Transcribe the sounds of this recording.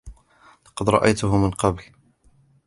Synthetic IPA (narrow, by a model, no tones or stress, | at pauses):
lɑqɑd̪ɾˤɑ̰ʔajt̪ʊɦʊmɪnqɑbl